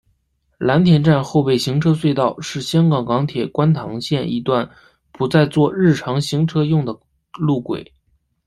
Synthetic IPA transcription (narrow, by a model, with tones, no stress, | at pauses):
la˧˥nt̪ʰjɛ˨˩nʈ͡ʂa˥˧nxo˥˧ʊpe˥˩ɪɕi˧˥ŋʈ͡ʂʰɤ˥swe˥˧ɪt̪ɑ˥˩ʊʂɻ̩˥˩ɕjɑ˥ŋkɑ˨˩ŋkɑ˧˥ŋt̪ʰjɛ˨˩kwa˥nt̪ʰɑ˧˥ŋɕjɛ˥˩ni˧˥t̪wa˥˩n | pu˧˥t͡sa˥˧ɪt͡swɔ˥˧ɻɻ̩˥˩ʈ͡ʂʰɑ˧˥ŋɕi˧˥ŋʈ͡ʂʰɤ˥jʊ˥˩ŋd̪ə˩ | lu˥˩kwḛ˨˩˦ɪ